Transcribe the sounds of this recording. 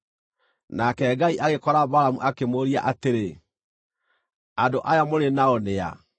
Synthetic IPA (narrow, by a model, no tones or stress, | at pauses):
nakɛɡaiʔaɣekɔɾabaɾamṵʔakemoɾia̰ʔateɾe | adoʔajamoɾenaɔnea̰